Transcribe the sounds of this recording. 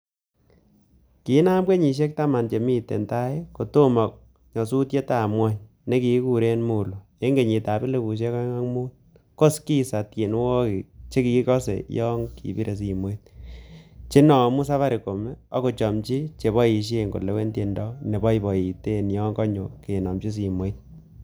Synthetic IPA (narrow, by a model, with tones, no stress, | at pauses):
ki˨˦na˦mbwe˦ɲi˨ʃ̬e˦k̚ta˦ma˨nt͡ʃe˨mi˦tḛ˨nta˦e˦ko˨to˦mɔ˨k̚ | ɲɔ˨su˦tje˦ta˦˨mwa˦ɲ | ne˦ki˨˦ku˦ɾe˦nmu˦lo˨ | e˦ŋɡe˨ɲi˨ta˨be˦le˦bu˨ʃ̬e˦kɔ˦ŋa˦ŋmu˦t | ko˦ski˦sa˨tje˨nwo˦ki˨t͡ʃe˦ki˨˦kɔ˦sḛ˨jɔ˦ŋkḭ˨bi˦ɾʔe˨s̬i˨mo˦i˦t̚ | t͡ʃe˦nɔ˨mu˦sa˦βa˦ɾi˨ko˨mɛ˦ɔ˦ko˨t͡ʃɔ˨mt͡ʃi˦t͡ʃe˨bɔ˦i˨ʃ̬e˦ŋɡo̰˨le˦we˦nte˨ndɔ˦ne˨bɔ˦i˦bɔ˨i˨te˦njɔ˦ŋkɔ˦ɲo˨ke˨nɔ˨mt͡ʃi˦s̬i˨mo˦i˦t̚